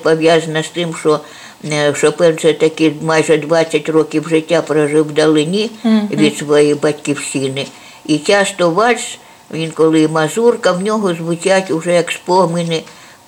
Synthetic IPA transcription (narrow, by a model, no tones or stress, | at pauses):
pɔʋjazɐnɐst̪ɪmʃɔ | ʃɔpɛwsɛt̪ɐkimɑjʒɛd̪ʋɑt͡sʲːɐtʲrɔkʲiwʒɪtʲːapɾɐʒɪwd̪ɐlˠɪnʲiʋʲid̪sʋɔjibɐtʲkʲiwʃʲinɪ | it͡ʃʲast̪ɔʋɑs | ʋʲinkɔlˠɪmɐzurkɐwnʲɔɦɔzʋʊt͡ʃʲatʲʊʒɛjɐkspɔɦmɪnɪ